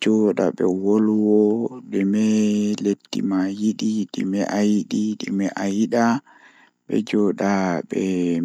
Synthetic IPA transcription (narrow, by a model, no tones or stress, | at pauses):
d͡ʒɔɗa̰ɓɛ̰wolwɔɗɛmɛletːḭmajiɗiɗɛmɛʔajɗiɗɛmɛʔajiɗa | ɓɛ̰d͡ʒɔɗaɓɛ